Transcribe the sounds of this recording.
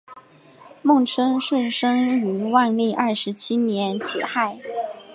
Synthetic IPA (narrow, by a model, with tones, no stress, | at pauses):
mʊ˥˩ŋʈ͡ʂʰɤ˥ŋʂwə˥˩nʂɤ˥ŋy˧˥wa˥˧nli˥˧ʔɐ˞˥˩ʂɻ̩˧˥t͡ɕʰi˥njɛ˧˥nt͡ɕi˨˩xa˥˩ɪ